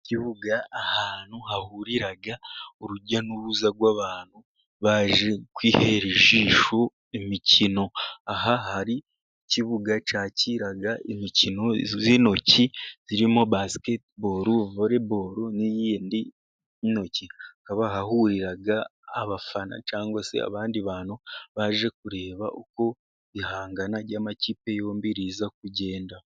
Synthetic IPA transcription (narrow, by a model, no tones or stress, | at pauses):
ciβuɡaːhaːn̥huhahuɾiɾaɡauɾuɾɟanuβuzaɡwaβaːn̥hu | βaːʒekwiːheɾeʒiːʃo | imicino̞aɦahaɾi | ciβuɡat͡ʃaːciɾaɡaʔimicino̞zino̞ciz̥iɾimo̞basketboɾuvoɾeboɾunijiindi | no̞ciakaβahahuɾiɾaɡaːβafana̰t͡ʃaːŋɡwase̞̰a̰βaːndiβaːnhuβaːʒe̞k̚uɾe̞ːβa̰ʔuko̞ | ihaːŋɡanaɾɟaːmaciːpe̞jo̞ːmbiɾiːzak̚uɟe̞ːnda